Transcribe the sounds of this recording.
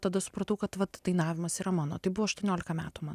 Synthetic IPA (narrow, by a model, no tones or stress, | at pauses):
t̪ɐd̪ɐsʊ̥pɾɐt̪ɐʊkɐt̪ʋɐt̪d̥̪ɐɪnɑːʋʲɪmɐsiːɾɐmɑːno̰ːt̪ɐɪbʊʋɔːɐʃt̪uɔnʲoːlʲɪkɐmʲæːt̪uːmɑːn